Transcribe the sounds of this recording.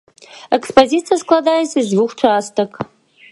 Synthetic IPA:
ɛkspʰozit͡sʰijɐskʰʼlɐdaːjisizvuxʷt͡ʃʰɐaːstʰɐk

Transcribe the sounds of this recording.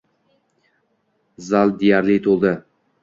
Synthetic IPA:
zalˠd̪ejaɾlit̪ʰolˠd̪ɪ

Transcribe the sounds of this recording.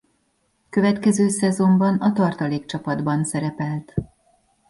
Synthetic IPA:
kø̞vɛt̪kɛzøːsɛzo̞mbɒnɒt̪ɒrt̪ɒleːkt͡ʃɒpɒd̪bɒnsɛɾɛpɛlt̪

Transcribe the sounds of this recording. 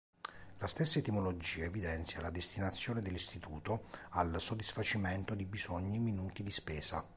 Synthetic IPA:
last̪esːaet̪imolod͡ʒiːaevid̪ɛnt̪sjalad̪est̪inat̪sːjoːned̪elːist̪it̪uːt̪oalsod̪ːisfat͡ʃiment̪od̪ibizɔɲːiminuːt̪id̪ispɛːza̰

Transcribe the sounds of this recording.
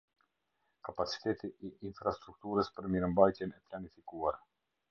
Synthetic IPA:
kapat͡si̥t̪ɛt̪iiʔinfɾast̪ɾuk̚t̪uɾəspəɾmiɾəmbajt̪jɛnɛplanifikuaɾ

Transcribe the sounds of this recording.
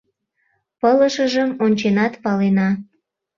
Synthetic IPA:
pələʃəʒəmonʲt͡ɕenɑt̪pɑlenɑ

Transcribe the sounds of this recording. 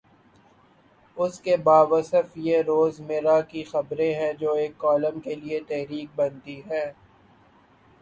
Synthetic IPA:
ʊskebaːʋɐsəfjeɾoːzmeɾakixɐbɾẽɦɛ̃d͡ʒoːeːkːɔːlə̃mkeliet̪ɛɦɾiːk̚bɐnt̪iɦɛ̃ː

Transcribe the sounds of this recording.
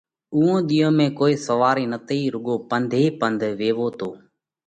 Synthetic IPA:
ʊːõːɗ̪iːõːmẽːkoːiːsəʋaːɾiːnət̪ʰiːɾʊɠoːpənd̪ʱiːpənd̪ʱʋeːʋoːt̪oː

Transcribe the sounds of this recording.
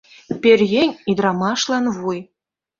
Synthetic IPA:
pʲerʲɣʲenʲid̪rɑmɑʃlˠɑnvuj

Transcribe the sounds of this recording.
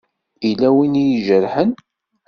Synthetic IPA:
ilæwinjʒəɾħən

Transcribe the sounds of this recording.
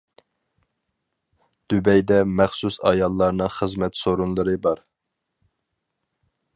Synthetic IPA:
d̪̥ybɛjd̪ɛmɛχsusɑ̰jɑlˠːɑɾnɨχəzmɛt̪soɾunlˠɨɾɨbɑɾ

